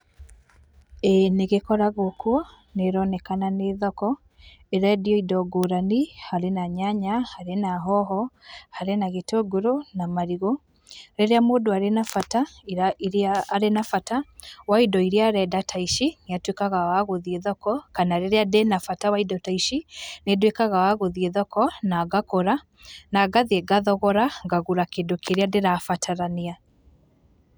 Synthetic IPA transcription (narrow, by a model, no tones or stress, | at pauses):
ɛneɣekɔɾaɣokwɔ | neɾɔnɛkananeðɔkɔ | eɾadiɔidɔɡoːɾanihaɾenaɲaɲahaɾenaɦɔɦɔhaɾenaɣetoɡoɾonamaɾiɣɔ | ɾeɾeamoːdoaɾenafataiiaːɾenafatawaidɔiɾiaɾɛdatʰaiʃineatwekaɣawaɣoðieðɔkɔkanaɾeɾeadenafatawaidɔtaiʃinedowekaɣawaɣoðieðɔkɔnaɡakoɾa | naɡaðiɛɡaðɔɣɔɾaɡaɣuɾakeːndokʰeɾeadeɾafatʰaɾania